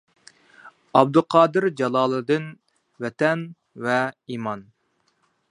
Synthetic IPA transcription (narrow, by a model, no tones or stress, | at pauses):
ɑb̚d̪ʊqʰɑːd̪ɨɾd͡ʒɑlˠɑːlˠɨd̪ɨn | vɛt̪ɛn | vɛiːmɑn